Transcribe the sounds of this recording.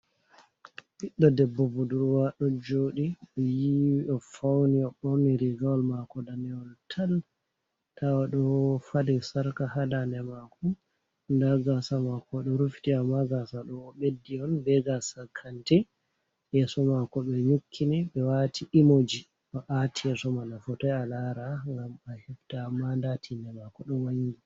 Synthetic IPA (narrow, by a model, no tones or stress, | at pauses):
ɓiɗːɔdɛbːɔbuduɾwaɗɔd͡ʒoːɗiɗɔjiɗɔfawniɔɗɔniɾiɡawlmakɔdanɛɔltʰal | tʰawaɗɔfadɛsaɾkahadanɛmakɔ | ndaɡasamakɔɗɔɾuftiamːaɡasaɗɔːɓedːiɔnbɛɡasakʰːantɛ | ʔɛsɔmakɔɓɛɲukʰːinɛɓɛwatʰiʔimod͡ʒi | ɔʔatʰiɛsɔmanafɔtɔjalaɾaŋɡamahiftaːmːandatʰindɛmakɔɗɔwaŋɡi